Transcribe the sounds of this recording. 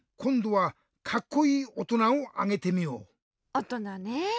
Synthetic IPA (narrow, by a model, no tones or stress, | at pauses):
kʰɔnduwa | kʰakʰːujiɔtunawa̰ŋetʰemio̰ | ɔtɔnane